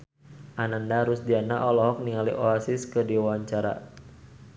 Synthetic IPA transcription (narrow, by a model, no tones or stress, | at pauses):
ʔanandaɾusdianaʔɔlɔɦɔk̚niŋalḭʔoasɪskədiwawaɲt͡ʃaɾa̰